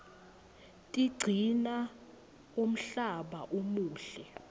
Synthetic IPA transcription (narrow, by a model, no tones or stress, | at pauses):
tʼiɡ͡ǀʱina | om̩ɬaɓa̰ʔomuːɬɛ